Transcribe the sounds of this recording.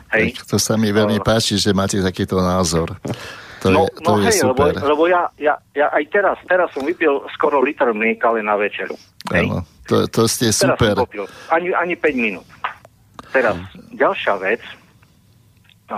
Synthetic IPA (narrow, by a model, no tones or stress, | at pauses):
ɦɛjkt̪ɔsamiʋɛʎmipaːt͡ʃiʒɛmaːcɛt̪akiːt̪ɔnaːzɔɾt̪ɔɛnɔjɛɛjsluɛbɔɛɾlɛbɔjajajaʔajt̪ɛɾast̪ɛɾasːɔmʋipɛlskɔɾɔlit̪ɛɾnnikalɛnaʋɛt͡ʃɛɾṵ | aɛ̰ːnɔ̰ɔt̪ɔscɛsɛuɾaspɛɾɔpilaɲiʔaɲipɛɟminuːt̪ | t̪ɛɾasɟalʃɪaʋɛt͡s